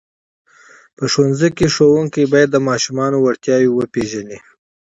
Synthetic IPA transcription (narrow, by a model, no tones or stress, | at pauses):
pəʃonzikeʂowuŋkijbɑjad̪ːəmɑʃumɑnowaɽt̪jɑwewəpeʒani